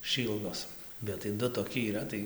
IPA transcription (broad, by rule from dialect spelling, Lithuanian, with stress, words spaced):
ˈʃʲiːlˠdoːs bʲɛt tɐɪ ˈdʊ toːˈkʲɪ iːˈrɐ tɐɪ